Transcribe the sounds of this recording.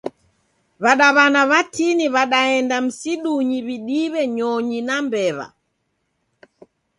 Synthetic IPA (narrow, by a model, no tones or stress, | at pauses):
βaɗaβanaβatiniβaɗaɛndam̩siɗuɲiβiɗiβɛɲɔɲinambɛβa̰